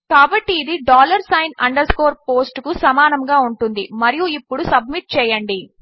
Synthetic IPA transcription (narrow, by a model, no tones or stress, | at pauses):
kaːbɐʈːiːd̪iɖaːlɐɾsɐjnɐɳɖɐɾsko̞ːɾpoːsʈkusɐmaːnɐmɡaːuɳʈund̪imɐɾijuipːuɽusɐb̚miʈ̚t͡ʃɛːjɐɳɖi